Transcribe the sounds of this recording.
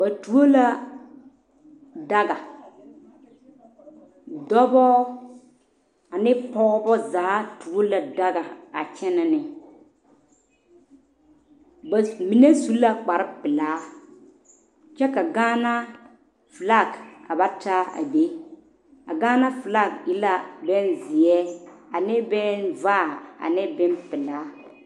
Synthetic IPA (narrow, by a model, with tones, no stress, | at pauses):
ba˨tu˨o˦la˦ | da˦ɡa˨ | dɔ˦bɔ˦ | a˨nɪ˦pɔ˦ɣɔ˦bɔ˦zaː˨˦tu˨o˦la˨da˦ɡa˨a˨t͡ʃɛ˦na˦nɪ˨ | bmi˨ne˦su˦la˨k͡pa˨ɾɪ˦pɪ˨laː˨˦ | t͡ʃɛ˦ka˨ɡaː˦na˦ | fla˦˨ka˨ba˦ta˦a̰˨be˦ | a̰˨ɡaː˦na˦fla˦k̚ɪ˦la˦bɛ˦nzɪ˨ɛ˦a˨nɪ˦bɛ˦nvaː˦˨a̰˨nɪ˦bɪ˦npɪ˨laː˨˦